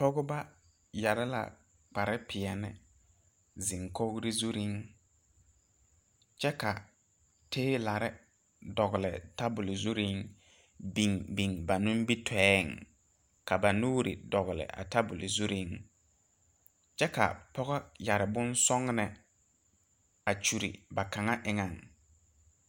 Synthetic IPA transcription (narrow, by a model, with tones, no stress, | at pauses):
pɔ˦ɣʊ˦ba˦ | ja˨ɾɪ˦la̰˨ | k͡pa˨ɾɪ˦pʰɪ˨ɛ˨nɪ̰˨ | zɪ˨ŋko˦ɡɾi˦zu˦ɾi˦ŋ | t͡ʃɛ˦ka˨ | teː˦la˨ɾɪ˦ | dɔ˨ɣʊ˨lɪ˨ta˦bʊ˨lɪ˨zu˦ɾi˦ŋ | bi˨ŋbi˨ŋba˨nʊ̃˦m˦bi˦tʰɛː˦˨ŋ | ka˨ba˨nuː˦ɾḭ˨dɔ˨ɣʊ˨lɪ̰˨ʔa̰˨ta˦bʊ˨lɪ˨zu˦ɾi˦ŋ | t͡ʃɛ˦ka̰˨pɔ˦ɣɔ˦ja˨ɾɪ˨bʊ˦nsɔ˦ŋnɛ˨ | a˨t͡ʃu˨ɾḭ˨ba˨ka˨ŋa˦ʔɪ˨ŋa˨ŋ